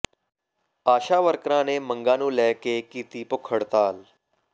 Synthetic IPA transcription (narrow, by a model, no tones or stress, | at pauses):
aːʃaːʋəɾkɾãːneːməŋɡãːnũːlɛːkeːkiːt̪iːpʊkʰəɽt̪aːl